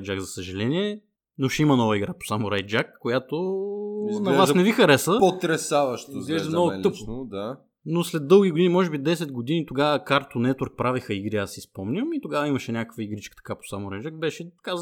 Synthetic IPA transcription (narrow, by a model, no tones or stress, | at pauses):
d͡ʒakzɐsəʒɐlɛniɛ | noʃɛimənɔvəiɡɾapo̥samoɾajd͡ʒakːojat̪oinɐɛvasʒnɛvixɐɾɛsəpot̪ɾɛsavɐʃt̪zɡlɛzʒɛmnɔɡot̪ɤppd̪a | noslɛd̪ːɤlˠɡʲiɡod̪inimɔʒɛbid̪ɛsɛd̪̚ɡod̪init̪oɡavəkaɾt̪onɛt̪əɾk̚pɾavixəiɡɾiasispɔmnʲəmit̪oɡavəiməʃɛnʲakəkvəiɡɾit͡ʃkə̥t̪ɐ̥kapo̥samʊɾajd͡ʒak̚bɛʃɛt̪ɐ̥ka